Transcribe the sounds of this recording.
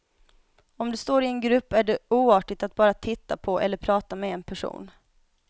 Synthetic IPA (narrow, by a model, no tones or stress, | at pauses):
ɔmd̪ɵst̪oːɾɪɛnɡɾɵpːæɖɛuːɑːʈɪɡ̚t̪at̪̚bɑːɾat̪ʰɪt̪ːapʰɔʔɛ̰lːəɾpʰɾɑːt̪amɛɛnpʰæʂṵːn